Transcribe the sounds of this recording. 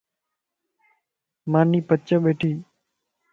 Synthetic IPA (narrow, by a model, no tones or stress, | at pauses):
maːniːpət͡ʃəɓeːʈʰiː